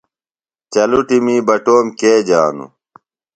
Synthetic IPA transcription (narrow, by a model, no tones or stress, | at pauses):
t͡ɕɐluʈimiːbɐʈoːmkeːd͡ʑaːnṵ